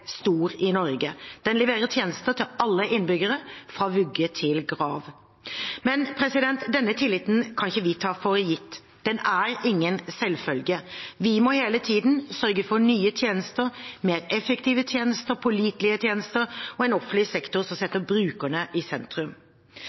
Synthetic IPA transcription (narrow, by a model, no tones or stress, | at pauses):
st̪uːɾɪnɔɾɡəd̪̥ɛnlɛʋeːɾət̪ʰjeːnəst̪ət̪ʰɪlɑlːəʔɪnːbʏɡəɾəfʁɑːʋʉɡːət̪ʰɪlɡɾɑːʋ | mɛnpʰɾɛsɪd̪ɛnt̪d̪ɛnːət̪ʰɪlːɪt̪n̩kʰɑnɪçəʋɪt̪ʰɑːfɔɾjɪt̪ː | d̪̥ɛnæɾɪŋːənsɛlfœlɡəʋɪmɔheːlət̪ʰiːd̪nsœɾɡəfɔɾɳyːət̪ʰjeːnəst̪əɾmeːɾɛfəkt̪ʰiːʋət̪ʰjeːnəst̪əɾpʰʊliːt̪lɪət̪ʰjeːnəst̪əɾɔɛnɔfnɪsɛkt̪ʊɾsɔmsɛt̪ːəbɾʉːkəɳəʔɪsɛnt̪ɾʉm